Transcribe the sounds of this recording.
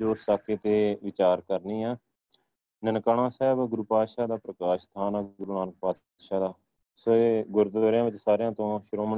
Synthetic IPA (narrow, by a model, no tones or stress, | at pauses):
d͡ʒoːɾsaːkeːt̪eːʋɪt͡ʃaːɾkəɾniːɛː | nənkaːɳãːsɛːbɡʊɾuːpaːt̪ʃaːd̪aːpɾəkaːʃt̪ʰaːnaːɡʊɾuːnaːnək̚paːt̪ | ʃaːd̪aː | soːeːɡʊɾd̪oɾjãːʋɪt͡ʃsaːɾejãːt̪õːʃʊɾoːməɳ